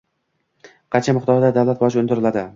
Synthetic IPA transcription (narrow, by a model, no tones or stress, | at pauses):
qʰɑt͡ʃʰamɪχd̪ɒɾd̪ad̪awlat̪̚bɒd͡ʒʊnd̪ɪɾɪlad̪ɪ